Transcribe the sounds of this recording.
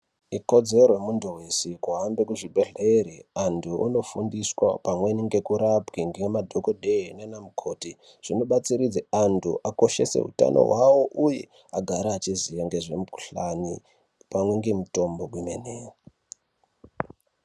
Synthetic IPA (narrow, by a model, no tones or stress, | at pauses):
iko̞d͡zerojemundowesikuɦambekuʐibʱeɮeɾiantʰuʔa̰no̞fundiswapamwe̞niŋɡe̞kuɾapɡiŋɡemadʱokodenenamukʰo̞ːti | ʐ̥ino̞ɓat͡siɾid͡zeantʰṵʔako̞ʃe̞̰se̞̰ɦṵta̰nʔo̞̰ɦwawo̞ʔujḛ | aɡʱaɾaːt͡ʃizijaŋɡeʐemukuɬani | pamweŋɡe̞muto̞mbo̞kwimeneːra